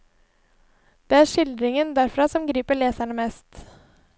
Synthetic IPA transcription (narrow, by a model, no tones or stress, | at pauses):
d̪̥ɛːæːʂɪld̪ɾɪŋənd̪æɾfɾɑsɔmɡɾiːpəɭeːsæɳəmɛːst̪